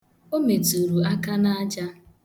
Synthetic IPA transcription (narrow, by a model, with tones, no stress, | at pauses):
o˦me˨tu˨ɾu˨a˦ka˦na˦a˦d͡ʒa˦